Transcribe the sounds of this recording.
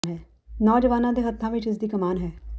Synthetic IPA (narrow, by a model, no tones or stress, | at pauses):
nɦɛː | nɔːd͡ʒɐʋaːnãd̪eɦɐt̪ʰːãːʋɪt͡ʃɪs̬d̪iːkɐmaːnɦɛː